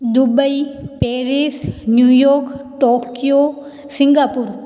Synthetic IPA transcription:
d̪ubəipɛːɾisnjuːjoːkʈoːkijo | sɪ̃ŋɡaːpʊɾ

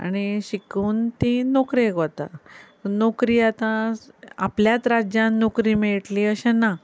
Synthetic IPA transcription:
a̰ñiɕikuːnt̪ĩnokɾikot̪at̪nokɾiːat̪ãapljat̪ɾad͡ʑjãnnokɾiːmiɭʈliəɕẽna

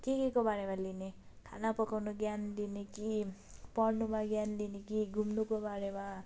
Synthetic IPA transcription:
t̪ikekobaɾemaline | kʰanapʌkawnoɡjanlineki | pʌɽnumaɡjanlinekiɡʱumnukobaɾema

